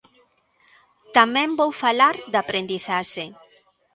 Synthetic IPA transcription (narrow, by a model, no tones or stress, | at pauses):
t̪amɛ̃mbowfalaɾd̪apɾend̪iθaʃe